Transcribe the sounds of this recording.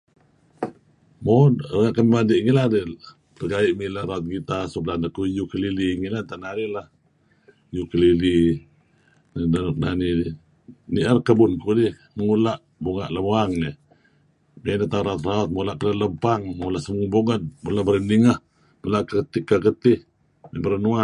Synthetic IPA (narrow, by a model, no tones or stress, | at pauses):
morəŋaʔkəmimadiʔŋiladɛ | bərkaiʔmilahɾaʊt̪̚ɡit̪asublanakujukəliliŋilant̪anaɾihlah | jukəlili | ndanuk̚na̰nidi | niʔərkəbʊnkudih | məŋulaʔ | buŋa̰ʔləbuaŋni | minət̪auɾaʊt̪raɔt̪̚molaʔkələləmpaŋmolaʔsəmuŋboŋət̪̚mulabəɾəniŋəh | məlakaət̪ikːakət̪ɪh | mibəɾənua